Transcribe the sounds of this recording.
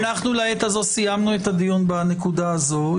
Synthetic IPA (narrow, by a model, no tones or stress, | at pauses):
naχnulaet̪azo̞sijamnuet̪ad̪ijunbane̞kud̪aːzo̞